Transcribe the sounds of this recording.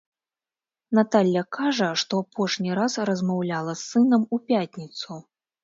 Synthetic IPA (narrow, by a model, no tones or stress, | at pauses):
n̪at̪alʲːɐkaʐɐʂt̪ɔapɔʂnʲiɾasɾɐzmawlʲalˠɐsːɨnɐmupʲatʲnʲit̪su